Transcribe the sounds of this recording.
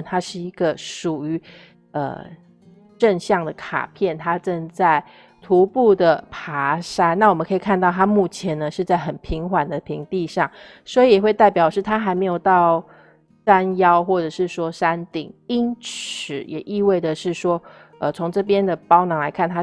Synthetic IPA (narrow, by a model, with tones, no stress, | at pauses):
t̪ʰa˥ʂɻ̩˥˩i˧˥ɡə˧ʂu˨˩y˧˥ | ə̰˩ | ʈ͡ʂə˥˧ŋɕjɑ˥˩ŋd̪ə˩kʰa̰˨˩pʰjɛ˥˩nt̪ʰa˥ʈ͡ʂə˥˧nt͡sa˥˩ɪ | t̪ʰu˧˥pu˥˩d̪ə˩pʰa˧˥˦ʂa˥nna˥˩wɔ˨˩mə˨˦kʰɤ˧˥i˨˩kʰa˥˧nt̪ɑ˥˩ʊt̪ʰa˥mu˥˩t͡ɕʰjɛ˧˥nə˧ʂɻ̩˥˧t͡sa˥˩ɪxə˨˩npʰi˧˥ŋxwa˨˩nd̪ə˦pʰi˧˥ŋt̪i˥˧ʂɑ˥˩ŋ | swɔ˧˥i˨jɛ˨˩we˥˧ɪt̪a˥˩ɪpjɑ˨˩ə˦ʂɻ̩˥˩t̪ʰa˥xa˧˥ɪme˧˥jo˨˩ʊt̪ɑ˥˨˩ʊ | ʂa˥njɑ˥ʊxwɔ˥˩ʈ͡ʂɤ˨˩ʂɻ̩˥˩ʂwɔ˥ʂa˥nt̪ḭ˨˩ŋi˥nt͡s̩ʰ˨˩jɛ˨˩ʔi˥˧we˥˩ɪdə˩ʂɻ̩˥˩ʂwɔ˥ | ə˨t͡sʰo˧˥ŋʈ͡ʂɤ˥˩pjɛ˥nd̪ə˨pɑ˥ʊnɑ˧˥ŋla˧˥ɪkʰa˥˩nt̪ʰa˥